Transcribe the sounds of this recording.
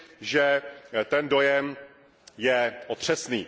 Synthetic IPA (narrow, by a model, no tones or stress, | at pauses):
ʒɛt̪ɛndo̞jɛm | jɛʔot̪r̝̥ɛsniː